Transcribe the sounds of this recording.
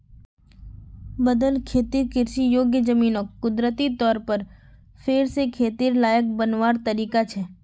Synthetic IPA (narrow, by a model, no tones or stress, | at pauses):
bəd̪əlkʰeːt̪iːɾkɪɾʃijoːɡjəd͡ʒəmiːnoːkːʊd̪ɾət̪it̪ɔːɾpəɾ | fʰɪɾsekʰeːt̪iːɾlaːjək̚bənʋaːɾt̪əɾiːkat͡ʃʰɛː